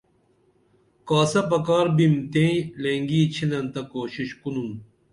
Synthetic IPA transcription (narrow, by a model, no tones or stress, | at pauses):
kaːsɐpɐkaːɾbimt̪ẽleːŋɡiːt͡ɕʰinɐnt̪ɐkoːɕiɕkunun